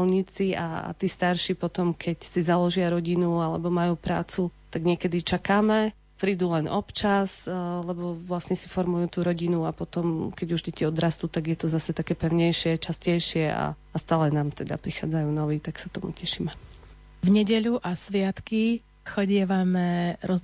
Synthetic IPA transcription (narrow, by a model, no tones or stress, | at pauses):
lɲit͡sia̰a̰t̪iːst̪aɾʃipɔt̪ɔmkʰɛcsizalɔʒɪaɾɔɟinualɛbɔmajuːpɾaːt͡sut̪aɡɲɪɛkɛd̪it͡ʃakaːmɛ | pɾiːd̪uːlɛnʔɔpt͡ʃaslɛbɔʋlasɲɛsifɔɾmujuːt̪uːɾɔɟinuapɔt̪ɔmkɛɟuʒɟɛciɔd̪ɾast̪uːt̪aɡjɛt̪ɔzasɛt̪akɛːpɛʊɲɛjʃɪɛt͡ʃascɛjʃɪɛa̰ | ast̪aːlɛnaːmt̪ɛd̪a̰pɾixa̰ːd͡zajuːnɔʋiːt̪aksat̪ɔmṵcɛʃiːmɛ | vɲɛɟɛʎuʔasʋɪat̪ki | xɔɟɪɛʋamɛɾɔz